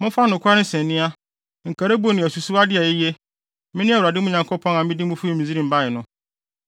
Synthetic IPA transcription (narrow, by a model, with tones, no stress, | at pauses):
mʊ̃˦fa˦nʊ̃˨kʷa˦ɾɪ̃˦sɛ̃˨nːɪ̃˦a˦ | ŋ̩˨kʰa˨ɾe˦bo˦˨nɪ̃˨æ˨su˨su˦a˦dɪ˦a˨ji˦je˦ | mɪ̃˦nɪ̃˦a˦˨u˨ɾa˨dɪ˦mʊ̃˦ɲã˨ŋkʰo˦pʰɔ̃˦nã˨mɪ̃˦di˦mʊ̃˦fu˦e˦˨mĩ˨zi˦ɾĩ˨m˨ba˦jɪ˨nʊ̃˦